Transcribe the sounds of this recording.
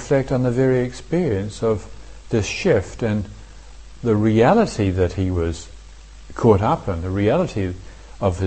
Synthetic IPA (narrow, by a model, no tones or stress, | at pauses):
flɛk̚tn̩ðɨvɛɹiɨkspɪɹiɨ̃nsʌvðɪsʃɪftɨ̃n | ðɨɹiælˠəɾiðɨt̚hiwʌz̥ | kʰɔɾapʰə̃nðɨɹiælˠəɾi | ʌv̥ɨ